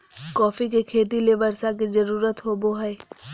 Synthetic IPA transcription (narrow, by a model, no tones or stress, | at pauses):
kɔːfikekʰeːt̪̬ilebəɾsak̬izəɾuːɾət̪ɦoːboɦɛː